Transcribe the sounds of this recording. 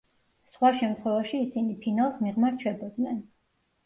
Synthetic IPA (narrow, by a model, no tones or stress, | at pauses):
sχwaʃɛmt̪ʰχwɛvaʃiːsinipʰinalˠsmiʁmaɾt͡ʃʰɛbɔd̪nɛn